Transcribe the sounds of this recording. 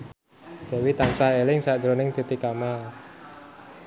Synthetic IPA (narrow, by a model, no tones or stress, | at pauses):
d̪̥a̤wit̪ansahelɪŋsad̥d͡ʒɾonɪŋd̪̥ṳt̪ikamal